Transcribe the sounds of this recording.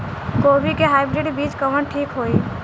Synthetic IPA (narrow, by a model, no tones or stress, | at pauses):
koːbikeɦaːɪbɾɪɖbiːd͡ʒkəʋəɳʈʰiːkɦoːiː